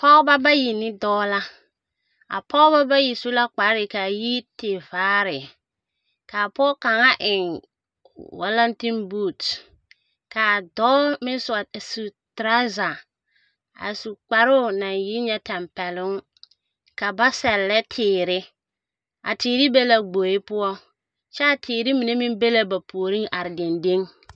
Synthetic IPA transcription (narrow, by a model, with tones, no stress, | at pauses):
pɔ˦ba˦ba˦ji˨nɪ˦dɔː˦la˦ | a̰˨pɔ˦ba˦ba˦ji˨su˦la˦k͡pa˨ɾɾɪ˨ka˨ji˦tɪ˨vaː˦ɾɪ˨ | ka˨pɔː˦ka˨ŋa˦ʔɪ˨ŋ | wa̰˦la˦nti˦nbu˦˨t | ka˨dɔː˦mɪ˦n˦sʊ˨a˨su˨ | tɾa˦za˨ | a̰˨su˨k͡pa˨ɾʊ˦˨na˨njɪ˦ɲɛ˦tɛ˨mpɛ˨lʊ˦ŋ | ka˨ba˦sɛ˨lːɛ˦tʰɪː˨ɾɪ˦ | ʔa̰˨tiː˨ɾɪ˦be˦la˨ɡ͡bo˨ɪ˦pʊ˦ɔ˦ | t͡ʃɛ˦a˨tʰɪː˨ɾɪ˦mi˨ne˦mɪ˦m˦be˦la˦ba˨pʰo˨o˨ɾi˦ŋa˨ɾɪ˨de˨nde˦ŋ